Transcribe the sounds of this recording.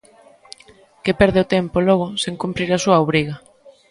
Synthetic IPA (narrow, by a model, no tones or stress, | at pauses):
kepɛɾðeʊt̪ɛmpolɔɣ̞ʊseŋkumpɾiɾasuɐoβɾiɣɐ